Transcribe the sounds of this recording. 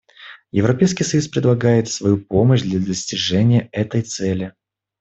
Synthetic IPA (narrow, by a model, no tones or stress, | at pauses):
jɪvɾɐpʲejskʲijsɐjuspɾʲɪd̪ˠɐɡajɪt̪svɐjupo̞məɕd̪lʲəd̪əsʲtʲɪʐɛnʲɪjəɛt̪əjt̪sɛlʲɪ